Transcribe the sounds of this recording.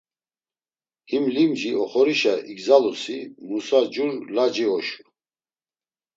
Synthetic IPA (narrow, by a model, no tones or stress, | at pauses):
himlimd͡ʒiɔχɔɾiʃaʔiɡzalusimusad͡ʒuɾlad͡ʒiɔʃu̥